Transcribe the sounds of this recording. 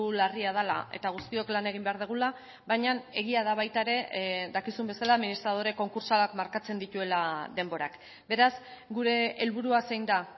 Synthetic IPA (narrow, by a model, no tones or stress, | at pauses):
lariað̞ala̰e̞̰t̪aɣust̪io̞klane̞ɣ̞imbe̞aɾð̞uɣ̞ula | βaɲane̞ɣiaðaβ̞ajt̪aeɾe̞ðakisumbe̞salaːminist̪ɾað̞o̞ɾe̞ko̞ŋkuɾsalakmaɾkat͡se̞nd̪it̪ue̞laðe̞mbo̞ɾa̰k | be̞ɾasɡuɾe̞ːlβuɾuasejnd̪a